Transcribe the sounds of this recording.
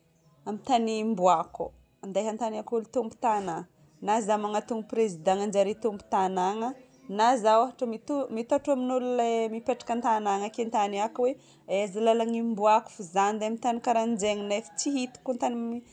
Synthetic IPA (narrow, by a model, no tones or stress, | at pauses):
amit̪animbuaku | and̪ajɦant̪anakulut̪umbu̥t̪ana | nazamaŋat̪uŋəprezid̪ãŋand͡ʒaɾit̪umbu̥t̪anaŋə | nazawafaʈ͡ʂəmit̪umit̪aʈ͡ʂaminululemipeʈ͡ʂḁkənt̪anaŋəkent̪anakwe | ezilalaŋimbuaku̥fuzand̪eamint̪anikaɾand͡ʒeŋinefi̥t͡siɦit̪u̥kunt̪animi